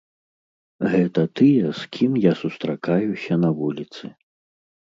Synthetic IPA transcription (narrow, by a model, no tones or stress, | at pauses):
ɣɛt̪ɐt̪ɨjɛskʲimjasust̪ɾakajusʲɐnɐvulʲit̪sɨ